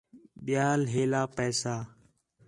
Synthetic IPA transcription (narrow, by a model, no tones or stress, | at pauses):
ɓɪjaːlɦeːlaːpɛːsaː